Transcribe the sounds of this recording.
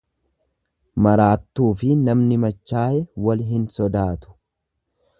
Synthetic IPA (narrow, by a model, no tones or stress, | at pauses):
mɐɾaːt̪ːuːfɪnɐmnɪmɐt͡ʃːaːjɛwɐlɦɪnsɔd̪aːt̪ʊ̥